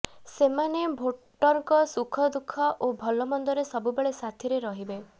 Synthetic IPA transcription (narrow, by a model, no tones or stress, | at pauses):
semanebʱoʈɔɾŋkɔsukʰɔd̪ukʰːɔʔobʱɔlɔmɔnd̪ɔɾesɔbubeɭesat̪ʰiɾeɾɔɦibe